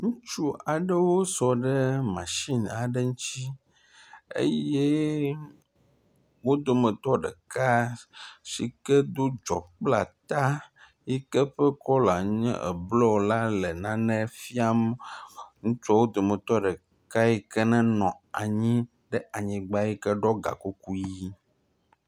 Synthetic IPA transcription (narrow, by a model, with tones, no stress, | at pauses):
ŋũ˦t͡ʃu˦a˨ɖə˦wo˦sɔ˨ɖə˦mã˨ʃi˦na˨ɖe˦ŋũ˦t͡ɕi˦ | ḛ˦je˦ | wo˦d̪o˨mə̃˨t̪ɔ˦ɖə̰˨ka˦ | ʃi˨kə˦d̪o˦d͡ʒɔ˨k͡pla˨t̪a˦ | ji˦kɛ˦ɸɛ˦kɔ˦la˨ɲɛ̰̃˦ʔɛ̰˨blɔ˦wo˨la˦le˨nã˦nɛ̃˦fi˦a˦m | ŋũ˦t͡ʃɔ˦wo˦d̪o˨mə̃˨t̪ɔ˦ɖɛ˨ | ka˦ji˦kə˦nɛ̃˦nɔ̃˨a̰˨ɲĩ˦ | ɖɛ˦a˨ɲĩ˨ɡ͡ba˦ji˦kɛ˦ɖɔ˦ɡa̰˨ko˦ku˦ji˦